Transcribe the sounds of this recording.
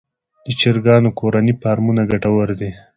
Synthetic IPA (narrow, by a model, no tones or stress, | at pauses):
d̪̥ət͡ʃiɾɡɑnokoɾanipɑɾmunaɡaʈawəɾd̪i